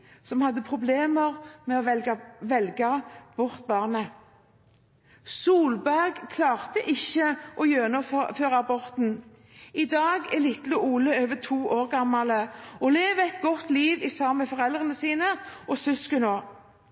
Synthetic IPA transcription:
sɔmhɑd̪ːəpʰʁʊbleːməʁmɛɔʋɛʋɛlɡɑb̥ɔʁt̪̚bɑːʁnə | suːlbæʁɡkʰlɑːʁt̪əʔɪçəʔɔjøːnɔføːʁɑɑbɔʁt̪n̩ | ʔɪd̪ɑːɡɛlɪt̪lʊʔuːləøːʋət̪ʰuːʔoːʁɡɑmːɑləɔleːʋəɛt̪ɡɔt̪liːʋɪsɑmɛfɔʁɛld̪ʁənəsiːnəʔɔsʏskənoː

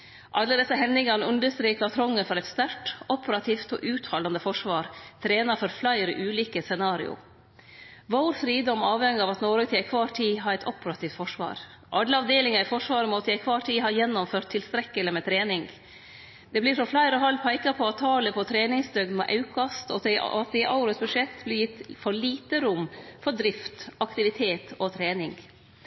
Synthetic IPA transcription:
ʔɑlːəd̪ɛsːəɦɛnːɪŋɑnəʉnd̪əst̪ɾiːkɑt̪ʰɾɔŋːəfɔɾɛt̪st̪æɾʈɔpəɾɑt̪ʰiːft̪ɔ̰ːʔʉːt̪hɑlɑnd̪əfɔʂʋɑːɾt̪ʰɾeːnɑfɔɾflæɪɾəʔʉːliːkəsɛnɑːɾɪ̰ʊ̰ | ʋoːɾfɾiːd̪ɔmɑːʋɛŋɑːʋɑt̪noːɾət̪ʰɪɛɪkʰʋɑːʈʰiːɦɑːɾɛɪt̪ɔpəɾɑt̪ʰiːft̪fɔʂʋɑ̰ːɾ | ʔɑɖ̪ləɑʋd̪eːlɪŋɑɾɪfɔʂʋɑːɾəmɔt̪ʰəæɪkʰʋɑːʈʰiːɦɑːjɛnːɔmføːɾʈt̪ʰːɪlst̪ɾɛkːəlɪmɛt̪ʰɾeːnɪŋ | d̪ɛbliːʂɔflæɪɾɔɦɑlpʰæɪkɑpʰɔɑt̪ʰːɑːləpʰɔt̪ʰɾeːnɪŋsd̪œɡnmɛ̰ʔɑʉkʰɑst̪ɔ̰ɑt̪̚d̪ɛɪʔɑʊɾəsbʉʂɛt̪ːblɪjɪt̪ːfɔɭiːt̪əɾʊmːfɔd̪ɾɪft̪ɑkt̪ɪʋɪt̪ʰeːt̪ɔt̪ʰɾeːnɪŋɡ

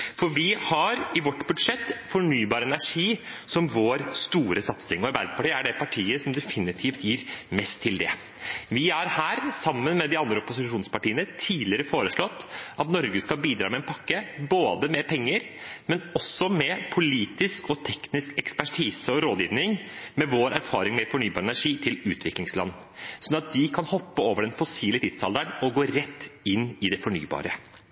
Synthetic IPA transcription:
fɔɾʋɪhɑɾɪʋɔʈːbʉd̪ʂɛt̪ːfɔɳyːbɑːɾɛnæʂiːsɔmʋoːɾst̪uːɾʔəsɑt̪sɪŋɔɑɾbæɪd̪əpʰɑʈiːəæɖɛpʰɑʈʰiːəsɔmd̪ɛfɪnɪt̪ʰiːft̪jiːɾmɛst̪ʰːɪld̪ɛ̰ | ʋɪæɾhæːɾsɑmːənmɛd̪ɪɑnd̪ɾəɔpʊsɪʂuːnspɑʈiːənət̪ʰiːd̪lɪəɾəfoːɾəʂɭɔt̪ːʔɑt̪nɔɾɡəskɑlbiːd̪ɾɑːmɛnpʰɑkːəboːd̪əmɛpʰɛŋːəɾ | mɛnɔsɔmɛpʰʊliːt̪ɪskɔt̪ʰɛknɪskɛkspæʈʰiːsəɔɾoːd̪jiːʋnɪŋmɛʋoːɾæɾfɑːɾɪŋmɛfɔɳyːbɑːɾɛnæʂiːt̪ʰɪlʉːt̪ʰʋɪklɪŋslɑ̰nː | sɔnɑt̪̚d̪ɪkʰɑnhɔpːəoːʋəɖɛnfɔsiːlət̪ʰɪd̪sɑ̰ld̪əɳɔɡoːɾɛt̪ːɪnːɪd̪ɛfɔɳy̰ːbɑ̰ːɾə

